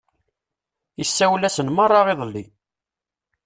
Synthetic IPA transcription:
isːæwlæsənmɑrˤːɑʁɪðˤlːi

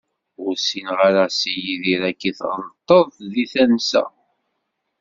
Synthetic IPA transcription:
ʊɾsinʁaɾasijiðiɾækːiθðt̪ˤːəðˤðiθænsæ̰

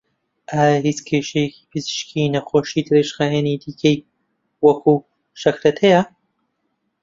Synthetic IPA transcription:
ʔaːjɐhit͡skʰeʃejeki̥pʰɨzɨʃkʰinɐxoːʃid̪ɨɾeʃxaːjanid̪iːkʰɐj | wɐkʰuː | ʃɐkɾɐt̪ʰejɐ

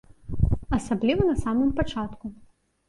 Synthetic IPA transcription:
ɐsɐblʲiʋɔnɐsɑmɨmpɐt͡ʃɑt̪kʊ

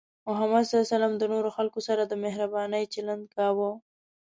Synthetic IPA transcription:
mʊɦamad̪sasalɑmd̪ənoɾoxalkosaɾad̪əmehɾabɑnəjt͡ʃaland̪̚kɑwə

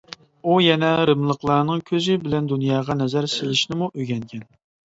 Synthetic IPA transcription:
ujɛnɛɾɨmlˠəqlˠɑɾnɨŋkʲʰøzɪbɪlɛnd̪unjɑːʁɑnɛzæɾsɪlɪʃnɪmuʔøɡʲɛŋkʲʰɛn

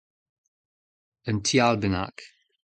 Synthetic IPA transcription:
əntʰialbəna̰k

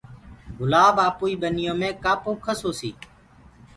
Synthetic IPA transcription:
ɡʊlaːbaːpuːiːɓənɪjõːmẽːkaːpõːkʰəsoːsḭː

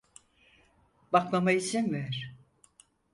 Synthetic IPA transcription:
bakmamait͡ʃʰinvæɾ̥

